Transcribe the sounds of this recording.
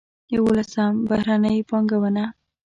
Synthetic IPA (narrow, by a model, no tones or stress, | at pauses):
jawolasambahɾanəjpɑŋɡawəna